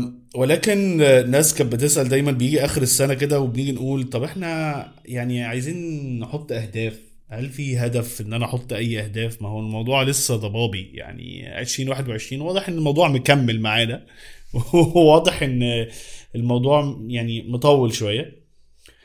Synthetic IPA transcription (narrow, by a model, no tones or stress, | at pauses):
welæːkennːæːskæbet̪̬esʔæld̪æjmænbejiːɡiʔæːxeɾesːænæk̬ed̪æwebeniːɡinʔuːlt̪ˤɑbʔeħnæ | jaʕniʕajziːnːeħot̪ˤːʔæhd̪æːf | hælfiɦæd̪æfʔenːʔænæʔɑħot̪ˤːʔæjːʔæhd̪æːfmæhowælmɑwd̪ˤuːʕlesːæd̪ˤɑbɑːbija̰ʕnḭʕḛʃɾiːnwaːħed̪weʕeʃɾiːnwɑːd̪ˤeħʔenːelmɑwd̪ˤuːʕmekæmːelmaʕaːd̪æwewɑːd̪ˤeħʔenː | elmɑwd̪ˤuːʕjaʕnimot̪ˤɑwːelʃowæjːæ